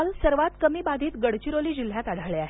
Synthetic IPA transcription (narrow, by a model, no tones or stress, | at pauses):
lsəɾʋat̪kəmiːbad̪ʱiːt̪ɡəɽt͡ɕiɾoliːd͡ʑil̤ːjat̪aɽʱaɭeaɦe